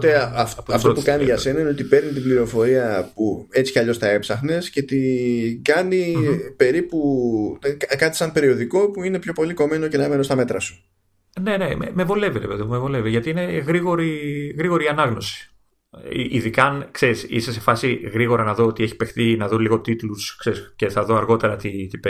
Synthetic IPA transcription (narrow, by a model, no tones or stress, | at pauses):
ot̪eɐfɐft̪opukɐniʝɐse̞nɐineot̪ipe̞ɾnit̪ibliɾo̞fo̞ɾiɐpue̞t͡si̥cɐʎo̞st̪ɐe̞psɐxne̞sce̞t̪iɡɐnipe̞ɾipu | kɐt̪i̥sɐmpe̞ɾio̞ðiko̞puine̞pço̞po̞liko̞me̞no̞ce̞nɐmenost̪ɐme̞t̪ɾɐsu̥ | ne̞nemḛmevo̞le̞viðepeðimevo̞le̞viʝɐt̪iine̞ɣɾiɣo̞ɾiɣɾiɣo̞ɾiɐnɐɣnosi̥̰ | ʔiðikɐnkseɾisisese̞fɐsiɣɾiɣo̞ɾɐnɐðoot̪ieçi̥pe̞xθinɐðuliɣo̞t̪it̪luskseɾisce̞θɐðo̞ɐɾɣo̞t̪e̞ɾɐt̪it̪ipe